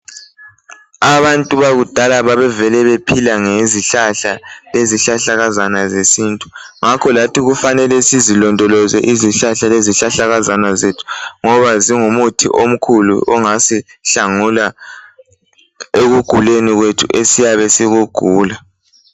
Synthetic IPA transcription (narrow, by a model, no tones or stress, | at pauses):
aβantʼuβaɣud̥ʱalaβaβɛvɛlɛβepʰilaŋeziɬaɬaleziɬaɬaɣazanazesiːntʼuŋakʰɔlatʰiɣufanɛlɛsizilɔndʱɔlɔzɛ̰ʔiziɬaɬaleziɬaɬaɣazanazetʰu̥ŋɔβaziŋumutʰḭʔom̩kʰulṵʔɔŋasiɬaŋula | eɣuɡ̥ʱuleniɣwetʰṵʔesijaβɛsiɣuɡ̥ʱuːla